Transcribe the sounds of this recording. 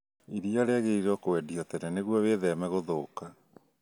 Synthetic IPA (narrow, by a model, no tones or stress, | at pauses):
iɾiaɾeaɣeiɾɔkowɛdiatɛnɛneɣwɔweðɛmɛɣoðoːka